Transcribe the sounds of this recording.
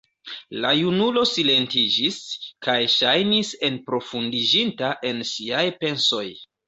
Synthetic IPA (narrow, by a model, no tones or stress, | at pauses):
lajunulo̞sile̞ntid͡ʒiskajʃajnise̞npɾo̞fundid͡ʒintaʔe̞nsiajpe̞nso̞j